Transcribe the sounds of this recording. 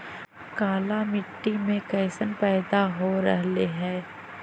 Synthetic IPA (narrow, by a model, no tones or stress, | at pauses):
kaːlamɪʈːimẽkɛːsənpɛːd̪aɦoɾɛ̰ɦleɦɛː